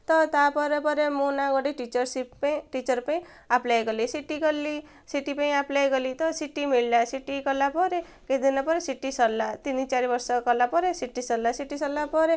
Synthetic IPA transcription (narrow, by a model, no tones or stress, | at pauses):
t̪ɔt̪apɔɾepɔɾemunaɡɔɽiʈit͡ʃɔɾsippĩʈit͡ʃɔɾpaĩ | aplajɡʌlisiʈikʌli | siʈipaĩaplajɡʌlit̪ɔsiʈːimiɭlasiʈikɔlapɔɾe | ked̪inapɔɾesiʈːisɔlːat̪init͡ʃaɾibɔɾsɔkɔlapɔɾesiʈːisɔlːasiʈːisɔlːapɔɾe